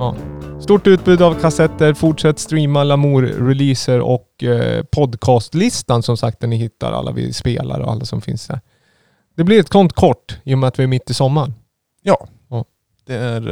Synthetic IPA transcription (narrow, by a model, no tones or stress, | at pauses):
ɑːst̪uːʈːʉːt̪̚bʉːd̪avkʰasɛt̪ːəɾfʊʈʂɛt̪ːst̪ɾiːmalamuːɾɾɛliːsəɾɔ̰kpʰɔd̪kʰɑːst̪lɪst̪ansɔmsak̚t̪ænɪɦɪt̪ːa̰ɾa̰lːa̰vɪ̰spḛːla̰ɾɔ̰a̰lːasɔmfɪ̰nsd̪æ̰ɾ | d̪̥ɛblɪɾɛt̪̚kʰɔnt̪kʰɔʈːiːjɔmɛat̪vɪæɾmɪt̪ːɪsɔmːaɳ | jɑː | d̪̥ɛæɾ